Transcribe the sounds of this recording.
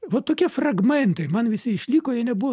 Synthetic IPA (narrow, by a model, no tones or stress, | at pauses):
ʋot̪oːkʲiɛfrɐɡmʲɛnt̪ɐɪmɐnʋʲɪsʲɪɪʃʲlʲiːkoːjɛnʲɛbuʋo